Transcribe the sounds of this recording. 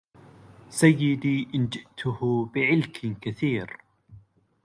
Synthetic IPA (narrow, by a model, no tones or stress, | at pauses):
sajːɪd̪iːʔɪnd͡ʒɪʔt̪ʰʊhbɪʕɪlkʰkaθiːɾ